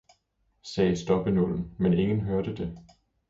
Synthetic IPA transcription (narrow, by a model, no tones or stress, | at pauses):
sɛːsd̥ɒ̽b̥ənoln̩mene̝ŋən̩ɦøɐd̥əd̥e̝